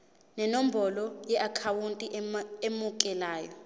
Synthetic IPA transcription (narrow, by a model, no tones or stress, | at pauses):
nɛnom̩bʱɔlɔjɛʔakʰawuntʼiemukʼɛlaːjɔ